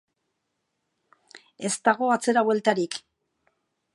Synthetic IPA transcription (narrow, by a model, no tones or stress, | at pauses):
e̞st̪aɣ̞o̞at͡se̞ɾaβwe̞lt̪aɾik